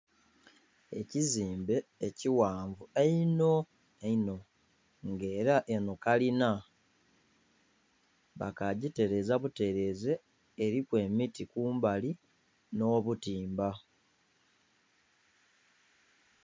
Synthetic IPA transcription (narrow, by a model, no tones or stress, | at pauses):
e̞̰ciziːmbe̞ːciwaːɱvueino̞ | eino̞ | ŋɡe̞ːɾaʔenokalina | βa̰kaɟite̞ɾe̞zaβute̞ɾe̞ːze̞ː | ɾikwe̞ːmitikuːmbali | no̞ːβutiːmba